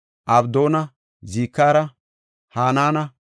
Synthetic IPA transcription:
ʔɐbd̪oːnɐ | ziːkːaːɾɐ | haːnaːnɐ

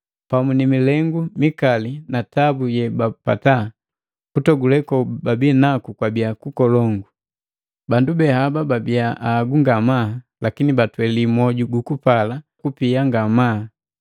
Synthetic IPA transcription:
pamunimilɛŋɡumikalinatabujɛbapa̰ta | kutɔɡulɛkɔbabinakukwabiakukɔlɔŋɡu | bandubɛhabababiaʔaɡuŋɡama | lakinibatwɛlimɔɟuɡukupalakupiaŋɡamaː

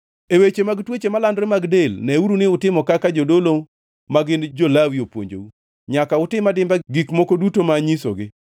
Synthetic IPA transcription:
ewet͡ʃemaɡtwet͡ʃemalandɾemaɡdelnɛuɾunɪʊtɪmɔkakad͡ʒodolo | maɡɪnd͡ʒolawiopwo̰ɲd͡ʒo̰u | ɲakaʊtɪmadɪmbaɡikmokodutomaɲiso̰ɡɪ

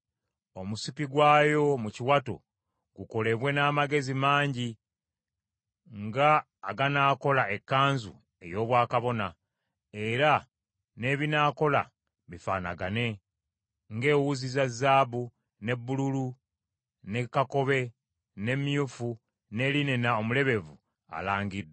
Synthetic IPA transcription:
o̞musipiɡwaːjo̞muciwato̰ | ɡuko̞le̞βwe̞naːmaɡe̞zimaːɲɟi | ŋɡaː | ɡanaːko̞lae̞kːaːnzṵ | e̞̰jo̞ːβwaːkaβo̞na | e̞ɾa | ne̞ːβinaːko̞la̰ | βifa̰ːna̰ɡane̞ | ŋɡe̞ːwuzizazːaːβu | ne̞bːululu | ne̞kːako̞βe̞ | ne̞mjufu | ne̞linenaomule̞βe̞vu | a̰laːŋɡid

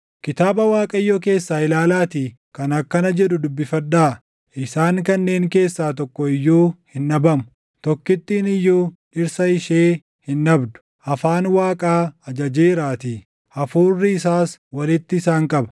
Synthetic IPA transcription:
kɪt̪aːbɐwaːkʼɐɪjːoːk̬e̞ːsːaːɪlaːlaːt̪iː | kɐnɐkːɐnɐd͡ʒɛᶑʊd̪ʊbːɪfɐd̪aː | ʔɪsaːŋkɐnːe̞ːŋke̞ːsːaːt̪̬ɔkːɔɪjːuːhɪnːɐbɐmʊ | t̪ɔkːɪt̪ːiːnɪjːuːᶑɪɾsɐɪʃeː | hɪnːɐbd̪ʊ̥ | ʔɐfaːnwaːkʼaːɐd͡ʒɐd͡ʒeːɾaːt̪i | ɐfuːrːɪɪsaːswɐlɪt̪ːɪːsaːŋkʼɐbɐ̥

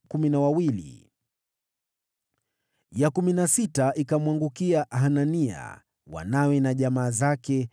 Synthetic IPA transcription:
kuminawawilḭ | jakuminasitaʔikamwaŋɡukiaʔɦanania̰ | wa̰nawɛnaʄamaːzakɛ

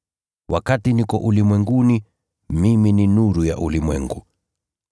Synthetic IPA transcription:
wʔakatinikɔ̰ʔulimwɛŋɡuni | mimininuɾuja̰ʔulimwɛ̰ŋɡu

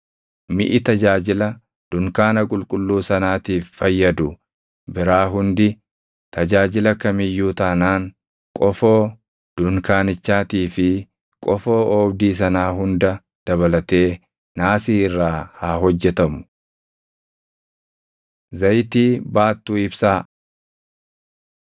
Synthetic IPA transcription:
mɪ̰ʔɪt̪ɐd͡ʒaːd͡ʒɪlɐ | d̪̥ʊŋkaːnɐkʼʊlkʼʊlːuːsɐnaːt̪iːfːɐjːɐd̪ʊ | bɪɾaːɦʊnd̪ɪ | t̪ʰɐd͡ʒaːd͡ʒɪlɐkɐmɪjːuːt̪aːnaːŋ | kʼɔfoː | d̪̥ʊŋkaːnɪt͡ʃːaːt̪iːfɪ | kʼɔfo̞ːbd̪iːs̬ɐnaːɦʊnd̪ɐ | d̪̥ɐβɐlɐt̪e̞ː | naːsiːɪrːaːhaːɦɔd͡ʒːɛt̪ɐmʊ̥ | zɐjt̪iːbaːt̪ːuːɪbsaː

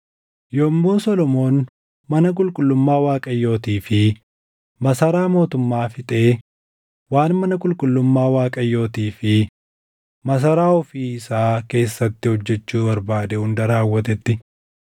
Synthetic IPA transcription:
joːmːoːsɔlɔmo̞ːn | mɐnɐk̬ʼʊlkʼʊlːʊmːaːwaːkʼɐjːo̞ːt̪iːfɪ | mɐsɐɾaːmo̞ːt̪ʊmːaːfɪt̪ʼe̞ː | waːnmɐnɐkʼʊlkʼʊlːʊmːaːwaːkʼɐjːo̞ːt̪iːfɪ | mɐs̬ɐɾaːɔfiːɪsaːke̞ːsːɐt̪ːɪhɔd͡ʒːɛt͡ʃːuːbɐɾbaːd̪ɛhʊnd̪ɐɾaːwːɐt̪ɛt̪ːɪ

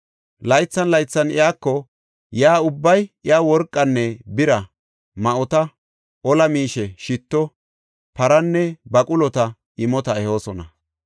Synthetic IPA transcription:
lɐjt͡sːɐnlɐjt͡sːɐnɪjaːkːɔ | jaːʊbːɐjɪjaːwɔɾkʼːɐnːɛbɪɾɐ | mɐʔɔt̪ɐ | ʔɔlɐmiːʃɛʃɪt̪ːɔ | pɐɾɐnːɛbɐkʼʊlɔt̪ɐ | ɪmɔt̪ɐɛho̞ːsɔnɐ

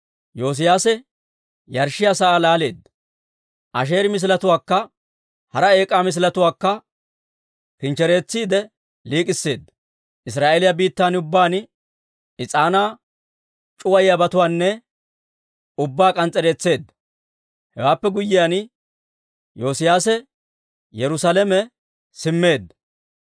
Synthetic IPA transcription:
jo̞ːs̬ɪjaːsɛ | jɐɾʃɪjaːsaʔaːlaːle̞ːd̪ɐ | ʔɐʃ̬e̞ːɾɪmɪs̬ɪlɐt̪ʊwaːkːɐ | hɐɾɐe̞ːkʼaːmɪs̬lɐt̪ʊwaːkːɐ | kɪnt͡ʃɛɾe̞ːt͡sːiːd̪ɛ | liːkʼɪsːe̞ːd̪ːɐ | ʔɪs̬ɾaːʔelɪjabiːt̪ːaːnʊbːaːn | ɪt͡sʼaːnaː | t͡ʃʼʊwɐjɪjabɐt̪ʊwaːnːɛ | ʊbːaːkʼɐnt͡sʼːɛɾe̞ːt͡sːe̞ːd̪ːɐ | hɛ̰waːpːɛɡʊjːɪjaːn | jo̞ːsɪjaːsɛ | jɛɾʊsalɛmɛ | sɪmːe̞ːd̪ːɐ

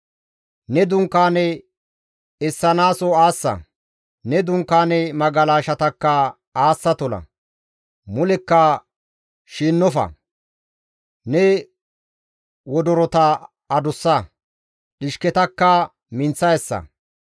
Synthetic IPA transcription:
nɛd̪ʊŋkːaːnɛ | ɛsːɐnaːsɔaːsːɐ̰ | nɛd̪ʊŋkːaːnɛmɐɡɐlaːʃɐt̪ɐkːɐ | aːsːɐt̪ɔlɐ̰ | mʊlɛkːɐ | ʃiːnːɔfɐ̰ | nɛ | wɔd̪ɔɾɔt̪ɐː | d̪ʊsːɐ | ᶑɪʃkɛt̪ɐkːɐ | mɪnt͡sːɐjɛsːɐ̰

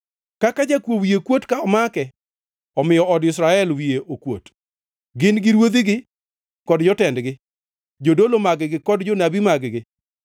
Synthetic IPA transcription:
kakad͡ʒakwowiekwotkaɔmakɛ | ɔmɪjɔʔɔdɪsɾaɛlwijeʔokwot | ɡɪnɡɪɾwod̪iɡɪ | kɔdd͡ʒɔtɛndɡɪ | d͡ʒodolomaɡɪɡɪkɔdd͡ʒonabimaɡɡɪ

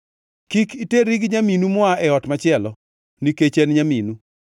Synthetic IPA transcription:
kikiteɾiɡɲaminumʊaʔɛɔtmat͡ʃɪɛlɔ | niket͡ʃenɲaminu

